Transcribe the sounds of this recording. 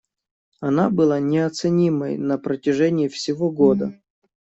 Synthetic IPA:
ɐnabɨlˠanʲɪɐt̪sɨnʲiməjnəpɾətʲɪʐɛnʲɪːfsʲɪvoɡo̞d̪ə

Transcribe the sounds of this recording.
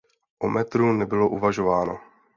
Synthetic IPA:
ʔomɛt̪ɾunɛbɪlo̞ʔuvaʒo̞vaːno

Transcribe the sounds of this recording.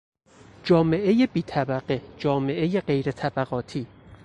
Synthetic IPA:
d͡ʒɒːme̞ʔe̞jebiːt̪ʰæbæɢed͡ʒɒːme̞ʔe̞je̞ɢe̞jɾe̞t̪ʰæbæɣɒːt̪ʰiː

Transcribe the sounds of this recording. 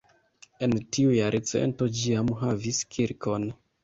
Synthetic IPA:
e̞ntʰiujaɾʔet͡se̞̰nto̞d͡ʒiamɦaviskʰiɾkʰo̞n

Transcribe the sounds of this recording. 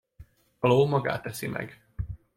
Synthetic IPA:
ɒloːmɒɡa̰ːt̪ːɛsimʔɛ̰ɡ

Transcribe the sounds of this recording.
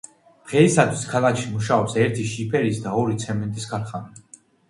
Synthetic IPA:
ʁɛisat̪ʰwiskʰalˠakʰʃimuʃaɔpsɛɾt̪ʰiʃipʰɛɾisd̪aɔɾit̪sʰɛmɛnt̪ʼiskʰaɾχani

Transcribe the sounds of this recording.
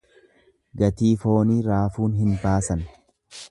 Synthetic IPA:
ɡɐt̪iːfo̞ːniːɾaːfuːnɦɪnbaːsɐn

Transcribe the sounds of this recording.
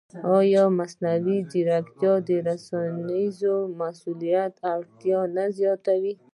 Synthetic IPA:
ɑjɔmasnawid͡ʒiɾakt̪jɑd̪əɾasɑnizomasulijat̪aɽt̪jɑnazjɑt̪awi

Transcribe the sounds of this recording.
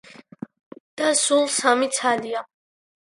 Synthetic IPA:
d̪̥asulˠsamit̪sʰalia

